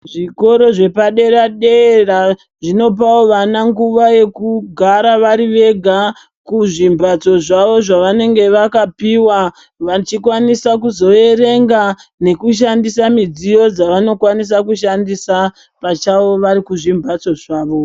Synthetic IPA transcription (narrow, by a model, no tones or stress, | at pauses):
ʐiko̞ɾo̞ʐe̞paɗe̞ɾaɗera | ʐino̞p̬aoʋanaŋɡuʋaje̞kuɡʱaɾaʋaɾiʋe̞ɡʱa | kuʐimbat͡so̞ʐaʋo̞ʐaʋane̞ŋɡe̞ʋakapiwa | ʋat͡ʃikwanisakuzo̞e̞re̞ŋɡane̞kuʃ̬andisamid͡zijo̞d͡zaʋano̞kwanis̬akuʃandisa | pat͡ʃaʋo̞ʋaɾikuʐimbʱat͡so̞ʐaːʋo